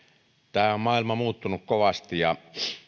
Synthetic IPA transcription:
t̪æːommɑˑilmɑmuːt̪ːunukkoʋɑst̪ijjɑ

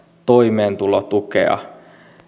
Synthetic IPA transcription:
t̪oimeːnt̪ulot̪ukḛɑ̰

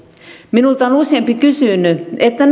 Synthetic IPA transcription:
minult̪ɑonusempikysynyet̪ːæn

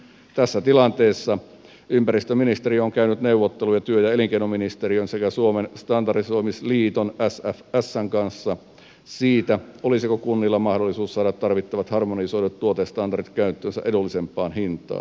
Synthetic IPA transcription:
t̪æsːæt̪ilɑnt̪eːsːɑ | ympæɾist̪øminist̪eɾioŋkæynyt̪neuʋot̪ːelujɑt̪yøjæeliŋkenominist̪eriønsekæsuomenst̪ɑndɑrisoimisliːt̪onæsæfæsːæŋkɑnsːɑ | siːt̪æolisikokunːilːɑmɑhdolːˑisuːssɑːɾɑt̪t̪ːɑrʋit̪ːɑʋɑt̪hɑrmonisoidet̪t̪uot̪est̪ɑndɑrit̪kæynt̪ːˑøːnsæ̰ʔedulːisempːˑɑːnhint̪ˑɑ̰ːn

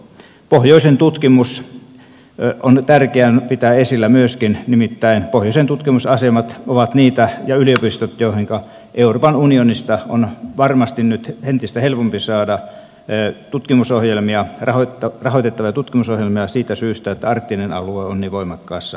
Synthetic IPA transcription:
pohjoˑisent̪ut̪kimus | ont̪ærkeænpit̪æesilːæmyøskinnimit̪ːæinpohjoˑisent̪ut̪kimusɑsemɑt̪oʋɑt̪niːt̪æjɑyliopist̪ot̪joˑihiŋkɑ | ʔeuroːpɑnunionist̪ɑonʋɑrmɑst̪innyt̪hent̪ist̪æhelpompisɑːdɑ | t̪ut̪kimusohjelmiɑrɑhot̪ːɑrɑhoit̪et̪ːɑʋiɑt̪ut̪kimusohjelmiɑsiːt̪æsyːst̪æet̪ːæɑrt̪ːinenɑ̰lueonniːʋoˑimɑkːɑˑːsːɑ

